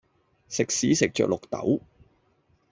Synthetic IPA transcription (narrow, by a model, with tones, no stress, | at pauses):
sɪ˨k̚siː˨˥sɪ˨k̚t͡ʃœː˨k̚lʊ˨k̚t̪ɐ̰˨˥w